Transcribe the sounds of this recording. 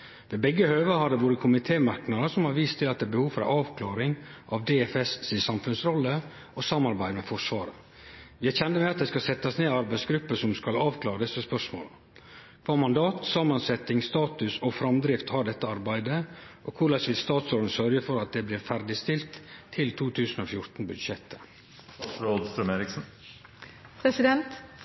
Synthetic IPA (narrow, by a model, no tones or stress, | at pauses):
ʋeːbɛɡːəhøːʋəhɑɖɛʋoːɾəkʰʊmɪt̪ʰeːmɑɾknɑd̪əsɔmhɑɾʋiːst̪ʰɪlɑt̪̚d̪ɛːbəhuːʋfɾɑ̰ʔɑːʋkʰlɑːɾɪŋʔɑʋd̪eːɛfɛssɪsɑmfʉnsɾɔlːə | ʔɔsɑmːɑɾbæɪd̪mɛfɔʂʋɑːɾə̰ | ʋɪæɾçɛnd̪əmɛɑt̪̚d̪ɛːskɑsɛt̪ːɑsneːɑɾbæɪsɡɾʉpːəsɔmskɑlɑːʋkʰlɑːɾəd̪ɛsəspœʂmo̰ːlə | kʋɑːmɑnd̪ɑːt̪sɑmːənsɛt̪ɪŋst̪ɑːt̪ʉsɔfɾɑmd̪ɾɪft̪hɑɖɛt̪ːəɑɾbæɪd̪əʔokʰʊɾɭɑsʋɪlst̪ɑːt̪sɔːɖ̪n̩sœɾɡəfɔɾɑt̪̚d̪ɛːblɪːɾfæɾɖɪst̪ɪlt̪ʰːɪlt̪ʰuːt̪ʰʉːsən̩oːfjʊɾt̪n̩bʉd̪ʂɛt̪ʰːə̥ | ɾoːd̪st̪ɾʉmeːɾɪksn̩ | pʰɾɛsɪd̪ɛnt̪